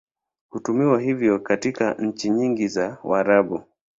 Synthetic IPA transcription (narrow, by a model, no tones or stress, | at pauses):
kutumiwaɦivjɔkatikaɲ̩t͡ʃiɲiŋɡizawaɾaɓu